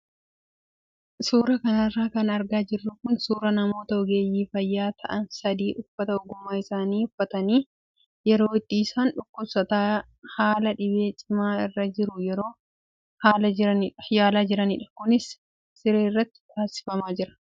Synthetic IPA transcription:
suːɾɐkɐnɐrːaːkɐnɐɾɡaːd͡ʒɪrːʊkʊnsuːɾɐnɐmo̞ːt̪ɐɔɡeːjiːfɐjːaːt̪ʰɐʔɐnsɐd̪iːʔʊfːɐt̪ɐʊɡʊmːaːɪsaːniːʊfːɐt̪ɐniː | jɛɾo̞ːɪt̪ːiːsaːnᶑʊkːʊbsɐt̪aː | haːlɐᶑɪbeːt͡ʃʼɪmaːɪrːɐd͡ʒɪɾʊjɛɾo̞ː | haːlɐɪɾɐnɪᶑɐ̥jaːlaːd͡ʒɪɾɐnɪᶑɐ̥kʊnɪsː | ɪɾeːrːɐt̪ːɪ̥t̪ʰʼaːsɪ̥fɐmaːd͡ʒɪɾɐ̥

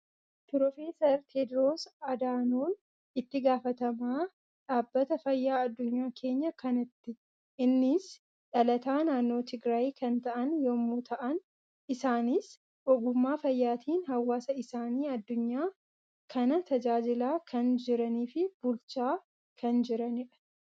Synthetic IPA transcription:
pɪɾofe̞ːsɐɾt̪ʰeːd̪ɾoːsɐd̪aːnoːn | ɪt̪ːɪɡaːfɐt̪ɐmaː | ᶑaːbːɐt̪ɐfɐjːaːɐd̪ːʊɲːaːkʰe̞ːɲːɐkɐnɪt̪ːɪ | ɪnːɪs | ᶑɐlɐt̪aːnaːnːo̞ːt̪ɪɡɾaːjkɐnt̪ɐʔɐnjomːuːt̪ʰɐʔɐn | ɪsaːniːs | ʔɔɡʊmːaːfɐjːaːt̪ʰiːnhɐwːaːsɐɪsaːniːɐd̪ːʊɲːaː | kʰɐnɐt̪ʰɐd͡ʒaːd͡ʒɪlaːkʰɐnd͡ʒɪɾɐniːfɪb̥ʊlt͡ʃaː | kʰɐnd͡ʒɪɾɐnɪᶑɐ̥

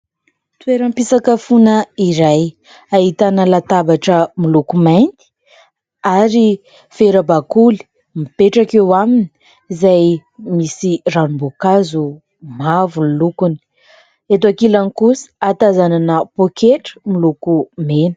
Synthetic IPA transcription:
t̪ueɾəmpisakəfunəiɾaj | aɦit̪anəlat̪abaʈ͡ʂəmilukumajnt̪i̥ | aɾi | feɾəbakuli̥ | mipeʈ͡ʂakewamini̥ | izajmisiranumbokazu | mavunilukuni̥ | et̪akilanikusi̥at̪azananəpokʰeʈ͡ʂə̥milukumenə̥

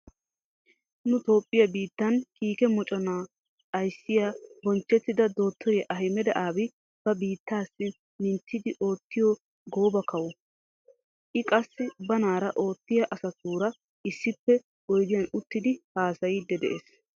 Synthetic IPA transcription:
nʊt̪o̞ːpʼːɪjɐbiːt̪ːɐnkiːkɛmɔt͡ʃʼɔnaː | ɐjsːɪjaːbɔnt͡ʃːɛt̪ːɪd̪ɐd̪o̞ːt̪ʰːɔjɛʔɐɦɪmɛd̪ɛʔaːbɪ | b̥ɐbiːt̪ːaːsːɪ | mɪnt̪ʰːɪd̪ɪʔo̞ːt̪ːɪjɔ | ɡo̞ːbɐkɐwɔ | ʔɪkʼɐsːɪbɐnaːɾɐʔo̞ːt̪ːɪjɐʔɐsɐt̪uːɾɐ | ʔɪsːɪpːɛ | ɔjd̪ɪjɐnʊt̪ːɪd̪ɪhaːsɐjɪd̪ːɛd̪ɛʔes

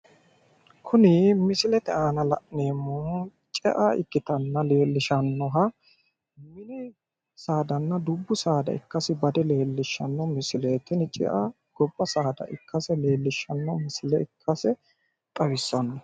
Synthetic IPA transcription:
kʰʊnɪmɪsɪlɛt̪ɛaːnɐlɐ̰ʔne̞ːmːɔ | t͡ʃʼɛʔaɪ̰kːɪt̪ɐnːɐle̞ːlːɪʃɐnːɔɦɐ | mɪnɪ | saːd̪ɐnːɐd̪ʊbːʊsaːd̪ɐ̰ɪ̰kːɐsɪbɐd̪ɛle̞ːlːɪʃːɐnːɔmɪsɪleːt̪ɪnt͡ʃʼɪ̰ʔa | ɡ̥ɔbːɐsaːd̪ɐ̰ʔɪ̰kʰːɐsɛle̞ːlːɪʃːɐnːɔmɪsɪlɛɪkʰːɐsɛ | t̪ʼɐwɪsːɐnːɔ

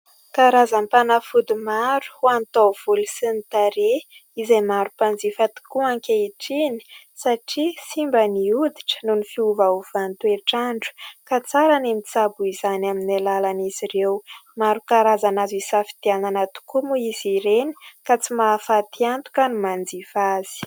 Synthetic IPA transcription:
kaɾazanpanafud̪imaɾu̥huant̪ov̥ulusinit̪aɾe | izejmaɾupand͡zifat̪i̥kuaŋkʲaiʈ͡ʂini̥ | saʈ͡ʂisimbəniud̪iʈ͡ʂə̥nunifiuvauv̥ant̪ueʈ͡ʂaɳɖ͡ʐu̥kat͡saɾanemit͡sabuizanaminalalaniziɾewmaɾukaɾazanazisafi̥t̪iananat̪u̥kumuiziɾeni̥kat͡simafat̪iant̪u̥kənimand͡zifazi̥

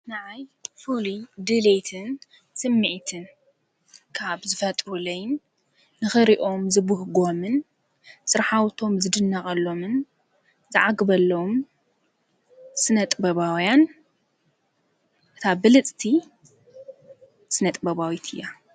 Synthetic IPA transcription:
naʕajfulid̪ɨlejt̪ʰɨn | sɨmːiʕt̪ʰɨn | kʰaβzɨfɐt̪ʼɾulɐjnː | ɨxɨɾiʔo̞mzɨbɨhɡo̞mɨn | sɨɾħawt̪ʰo̞mzɨd̪ɨnːɐχʼɐlːo̞mɨn | zɨʕaɡɨbɐlːɐwom | sɨnɐt̪ʼbɐβawjan | ʔɨt̪ʰabɨlɨt͡sʼt̪ʰi | sɨnɐt̪ʼbɐβawit̪ʰɨjːa

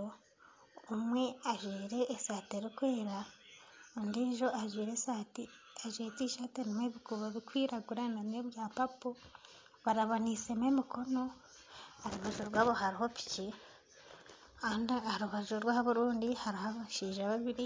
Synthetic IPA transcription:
umwe̞aʒwiːɾe̞ʔːsaːteɾikwe̞ːɾa | undiʒo̞ʔaʒwiːɾesati | aʒwetiʃatenimweβikuβaβikwiːɾaɡuɾananeβjaːpapo | βaɾaβonisememikʰo̞no̞ | haɾiβuʒoɾwaːβo̞ɦaɾiɦo̞pi̥ci | aːndihaɾuβaʒuɾwaːhaβuɾuːndihaɾihaβaʃiːʒaβaβiɾi

